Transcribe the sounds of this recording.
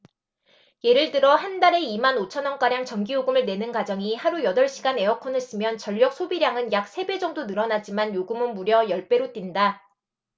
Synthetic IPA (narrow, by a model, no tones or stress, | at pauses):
je̞ɾɯɭtɯɾʌhandaɾe̞imanot͡ɕʰʌnʌnk͈aɾjaŋt͡ɕʌŋɡijoɡɯmɯɭne̞nɯnɡwad͡ʑʌŋihaɾujʌdʌɭɕ͈iɡane̞ʌkʰʌnɯɭs͈ɯmjʌnt͡ɕʌʎːjʌk̚sʰobiɾjaŋɯnjak̚s͈ʰe̞be̞d͡ʑʌŋdonɯɾʌnad͡ʑimanjoɡumɯnmuɾjʌjʌɭp͈e̞ɾot͈inda